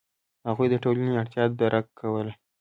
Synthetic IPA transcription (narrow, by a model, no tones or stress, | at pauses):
haɣujd̪əʈolaniaɽt̪ʰjɑt̪̚d̪aɾʔakʰːawəle